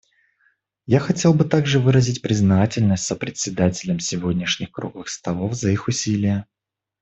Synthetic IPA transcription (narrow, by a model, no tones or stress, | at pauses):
jaxɐtʲe̞lˠbɨt̪aɡʐɨvɨɾəzʲɪtʲpɾʲɪznatʲɪlʲnəsʲtʲsəpɾʲɪtʲsʲɪd̪atʲɪlʲəmsʲɪvodʲnʲɪʂnʲɪxkɾuɡəxst̪ɐlˠofzəixʊsʲilʲɪjə